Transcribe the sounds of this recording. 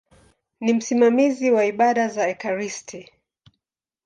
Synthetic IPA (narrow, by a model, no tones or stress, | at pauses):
nim̩simamiziwaiɓaɗazaɛkaɾistʰi